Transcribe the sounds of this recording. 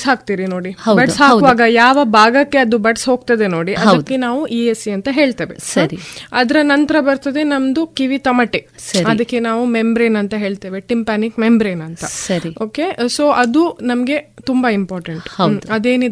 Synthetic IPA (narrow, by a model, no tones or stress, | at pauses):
sɦaːk̚t̪iːɾino̞ːɽihɐbɐʈsɦaːkuʋaːɡɐjaːʋɐbʱaːɡɐkːe̞ɐd̪ubɐɖsɦo̞ːɡ̚t̪ɐd̪eno̞ːɽiʔɐdɐdkːe̞naːʋuʔiːesiɐnt̪ɐɦe̞ːɭt̪ɐːʋesɐɾiɐd̪ɐɾɐnɐnt̪ɐɾɐbɐɾt̪ɐd̪e̞nɐmd̪ukiʋit̪ɐmɐʈesɐɾɐd̪ɐkːe̞naːʋumembɾeːnɐnt̪ɐɦe̞ːɭt̪eːʋeʈimpaːnikmembɾeːnɐnt̪ɐsɐɾioːke̞so̞ːʔɐd̪unɐmɐɡe̞t̪umbɐimpaːɾʈɐɳʈhɐwd̪ɐd̪e̞ːnid̪